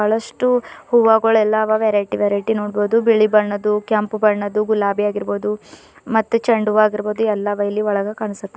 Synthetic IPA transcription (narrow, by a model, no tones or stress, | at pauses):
ɭɐʂʈuhuʋaːɡɐɭɛlːɐːʋɐʋeɾɐjʈiʋeːɾɐjʈinoːɽboːd̪ubiɭibɐɳːɐd̪ukjampbɐɳːɐd̪uɡulaːbijaːɡiɾboːd̪u | mɐt̪ːut͡ʃɐɳɖuʋaːɡiɾbo̞ːd̪uɛlːɐʋɐjɐlːiɔɭɐɡɐkaːɳisɐt̪ːe